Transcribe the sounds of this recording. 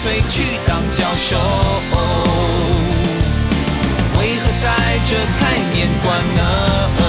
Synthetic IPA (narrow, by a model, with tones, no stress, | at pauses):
we˥ɪt͡ɕʰy˧˩t̪ɑ˧˩ŋt͡ɕjɑ˧˩ʊʂo˧˦ | o˨˩ | we˧˥ɪxɤ˧˥t͡sa˥˧ɪʈ͡ʂə˥˧˩kʰa˥ɪmjɛ˨˥nkwa˧nːə˧